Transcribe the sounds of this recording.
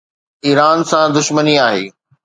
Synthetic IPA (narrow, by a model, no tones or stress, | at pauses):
iːɾaːnsãd̪ʊʃməniaːɦḛː